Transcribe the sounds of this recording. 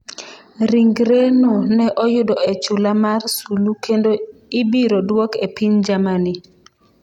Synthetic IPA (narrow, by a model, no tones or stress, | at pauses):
ɾiŋɡɾenonɛʔɔjʊdɔɛt͡ʃulamarsulukʰendoibiɾɔdwɔkepind͡ʒamani